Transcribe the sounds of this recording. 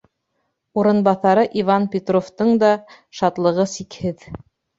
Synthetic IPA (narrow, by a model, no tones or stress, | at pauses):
uɾɤ̆nbɑθɑɾɤʔivɑnpʲet̪roft̪ɤɴd̪ɑ | ʃɑt̪lˠɤ̆ʁɤsikhɘð